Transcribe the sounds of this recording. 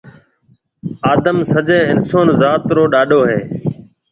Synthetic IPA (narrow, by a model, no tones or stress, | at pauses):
aːd̪əmsəd͡ʒeːɪnsoːnzaːt̪ɾoːɗaːɗoːɦeː